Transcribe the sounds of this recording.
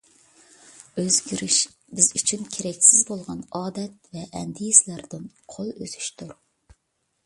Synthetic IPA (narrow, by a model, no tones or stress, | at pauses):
øzɡʲiɾiʃ | bɪzyt͡ʃʰynkʲʰeɾɛkʲsɪzbolˠʁɑnɑːd̪ɛt̪̚vɛʔɛnd̪ijislæɾd̪ɪn | qʰolˠøzy̥ʃt̪ʰuɾ